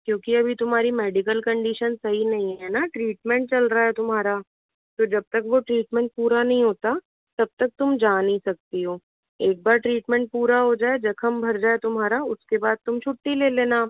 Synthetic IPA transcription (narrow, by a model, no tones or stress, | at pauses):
kjõːkiɐbʱit̪ʊmɦaːɾimɛːɖɪkəlkɐ̃ɳɖiːʃənsɐɦinɐɦĩɦɛːnaʈɾiːʈmɛ̃ɳʈ̚t͡ʃɐlɾaɦɛt̪ʊmɦaːɾa | t̪oːd͡ʒɐb̚t̪ɐkʋoʈɾiːʈmɛ̃ɳʈ̚puːɾanɐɦĩɦoːt̪a | t̪ɐb̚t̪ɐk̚t̪ʊmd͡ʒaːnisɐk̚t̪iɦoː | eːk̚baːɾʈɾiːʈmɛ̃ɳʈ̚puːɾaɦod͡ʒaːed͡ʒɐkʰɐmbʱɐɾd͡ʒaːet̪ʊmɦaːɾaʊskebaːd̪̚t̪ʊmt͡ʃʰʊʈːileːleːnaː